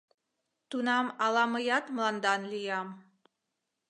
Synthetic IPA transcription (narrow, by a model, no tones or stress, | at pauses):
t̪unɑmɑlˠɑmɤjɑt̪mlɑnd̪ɑnlijɑm